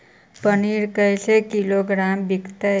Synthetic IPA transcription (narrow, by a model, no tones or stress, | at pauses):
pəniɾkəjsekiloɡɾambikt̪ə